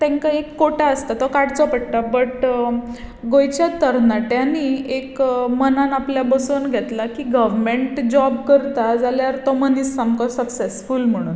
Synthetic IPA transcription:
t̪ɛ̃ŋkaekːoʈaəst̪at̪ɔkaɽt͡sɔpəɽt̪abəʈ | ɡojt͡ɕjat̪əɾnaʈjaniekmənanapljabəsonɡʱɛt̪lakiɡəʋmeɳʈd͡ʑɔbkəɾt̪ad͡zaljaɾt̪ɔmənisːamkɔsəpsesfulm̤əɽ̃uːn

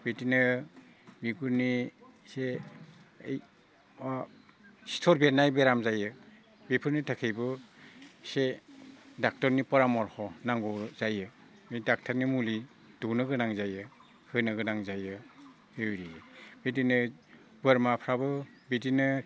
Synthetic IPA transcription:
b̥etinɯ | biɡuɾni | seː | j | si̥tʰɔɾbetnajbeɾamzajɯ | bepʰɯɾnitʰakʰejbɯ | se | dak̚tɔɾnipɔɾamɔɾhɔnaŋɡɔzajɯ | midak̚tʰaɾnimuli | d̥unɯɡɯnaŋzajɯ | hɯnɯɡɯnaŋzajɯ | bewɾijɯbetinɯ | bɯɾmapʰɾabɯ | betinɯ

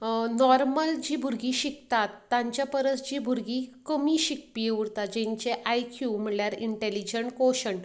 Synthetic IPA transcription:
nɔɾməld͡ʑiːbʱuɾɡiːɕikt̪at̪ːãɲt͡ɕjapəɾət͡sd͡ʑiːbʱuɾɡikəmiːɕik̚pijeuɽt̪at̪̚d͡ʑẽɲt͡ɕeʔajkʰjum̤iɭljaɾiɳʈelid͡ʑəɳʈkoɕəɳ

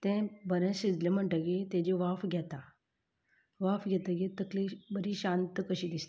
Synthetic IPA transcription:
t̪ɛ̃bəɾẽsid͡zlem̤əɳʈəɡet̪ẽd͡ʑeʋafɡʱʲɛt̪a | ʋafɡʲɛt̪əɡet̪əklebəɾiɕant̪əkəɕiːd̪ist̪

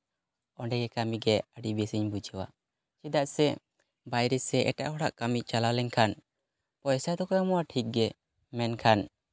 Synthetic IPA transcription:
ɔɳɖɛɡɛkamiɡɛəɖibɛsəɲbud͡ʒəwa̰ | t͡ʃid̪aʔsɛ | bajɾɛsɛʔɛ̰ʈa̰ʔhɔɽaʔkamic̚t͡ʃalalɛɲkʰan | pɔjsad̪ɔkɔjamɔwaʈʰik̚ɡɛ | mɛnkʰan

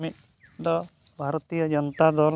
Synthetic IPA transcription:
mit̪̚ | d̪ɔ | bʱaɾɔt̪ijɔd͡ʒɔnɔt̪ad̪ʱɔɾ

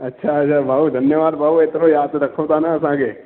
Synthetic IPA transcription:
ɐtːʃʰaɐtːʃʰabʱaːud̪ʱɐnjəʋaːd̪bʱaːʋuet̪ɾojaːd̪ɾəkʰoʋt̪anaəsãːke

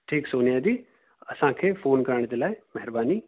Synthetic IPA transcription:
ʈʰiːksoːnijaːd̪iː | əsãːkʰefʰoːnkəɾaːɳ̃ed̪eːlaːemɛɦɾbaːniː

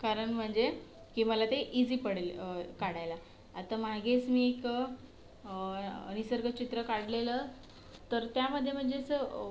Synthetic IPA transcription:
kaɾəɳm̤əɳd͡ze | kiːməlat̪eʔid͡ziːpəɽ̤lkaɽ̤ajlaː | t̪amaɡet͡smiːek | ə̰nisəɾɡət͡ɕit̪ɾəkaɽlelə | t̪əɾt̪jaməd̪ʱːjem̤əɳd͡zet͡sə

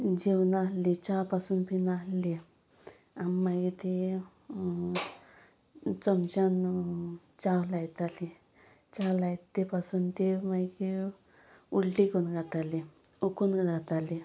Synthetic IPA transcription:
d͡ʑewnalːit͡ɕapasuːnpinalːi | animaɡit̪e | t͡səmt͡ɕan | t͡ɕawlajt̪ali | t͡ɕawlaj̪epasuːnt̪emaɡi | uɽʈikunɡʱat̪ali | ukunɡat̪ali

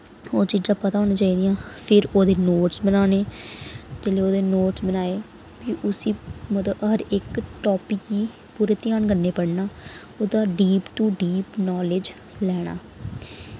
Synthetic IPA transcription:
oːt͡ʃid͡ʒãːpət̪aːoːnaːt͡ʃaːiːd̪ijãːpʰɪɾoːd̪eːnoːʈsbənaːneː | t̪eːleːoːd̪eːnoːʈsbənaːeː | biʔʊsiːmət̪əɦəɾɪkʈɔːpiːiː | puːɾeːt̪ɪjaːnɡənːeːpəɽnaː | oːd̪aːɖiːpʈuːɖiːpnɔːlɪd͡ʒ | lɛːɽ̃a̰ː

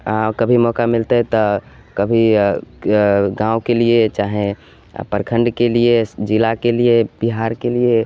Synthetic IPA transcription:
akəbʱimɔːkamɪlt̪eɦɛt̪ɔ | kəbʱi | ɡãːwkeliet͡ʃaːɦẽ | pəɾkʰə̃ɳɖkelied͡ʒɪlakelieb̥iɦaːɾkelie

